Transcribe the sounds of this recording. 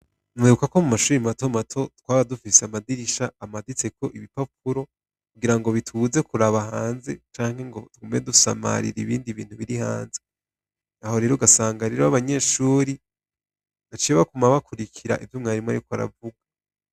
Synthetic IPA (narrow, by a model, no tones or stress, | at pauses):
nweːɾukako̞mumaʃuːɾimato̞matʰo̞twaːβadufiseamadiɾiʃaːmadit͡se̞ko̞ʔiβipap̚ʰuɾo̞ | kuɡiɾaŋɡo̞βitʰuze̞kuɾaβaɦaːnze̞t͡ʃaːŋ̥he̞ŋɡo̞̰tuɡomeedusa̰ma̰ɾḭɾiβiːndiβḭːn̥huβiɾiha̰ːnze | aho̞ɾe̞ɾoɡasaːŋɡaɾeːɾoaβaɲe̞ːʃuːɾi | βat͡ʃieβakumaβakuɾikʰiɾa̰ʔivjumŋaɾimŋa̰jukwaɾa̰vuɡa